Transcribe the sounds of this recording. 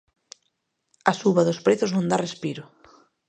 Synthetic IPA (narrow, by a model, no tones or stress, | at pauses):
ɐsuβɐðʊspɾeθʊznõnd̪arespiɾʊ